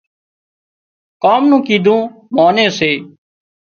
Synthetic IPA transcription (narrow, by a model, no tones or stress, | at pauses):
kaːmnũːkiːd̪ʱũːmaːnẽːseː